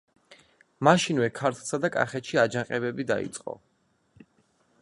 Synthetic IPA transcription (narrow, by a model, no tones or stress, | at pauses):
maʃinwɛkʰaɾt̪ʰlˠsad̪akʼa̰χɛt̪ʃiad͡ʒaqʼɛbɛbid̪a̰ḭt̪sʼqʼɔ̰